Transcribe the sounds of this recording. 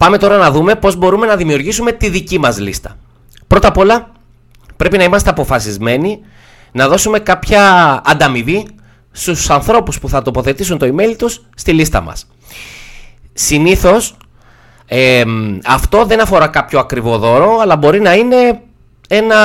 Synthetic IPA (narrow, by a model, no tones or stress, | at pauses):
pɐme̞t̪o̞ɾɐnɐðume̞po̞zbo̞ɾume̞nɐðimiuɾʝisume̞t̪iðicimɐzlist̪ɐ̥ | pɾo̞t̪ɐpo̞lɐ | pɾe̞pinɐimɐst̪e̞ɐpo̞fɐsizme̞ni | nɐðo̞sume̞kɐpçɐːnd̪ɐmivi | st̪usɐnθɾo̞puspuθɐt̪o̞po̞θe̞t̪isunt̪o̞ime̞lit̪usːt̪ilist̪ɐ̰mɐ̰s | siniθo̞s | ɐft̪o̞ðe̞nɐfo̞ɾɐkɐpço̞ɐkɾivo̞ðo̞ɾo̞ɐlɐbo̞ɾinɐine̞ | e̞nɐ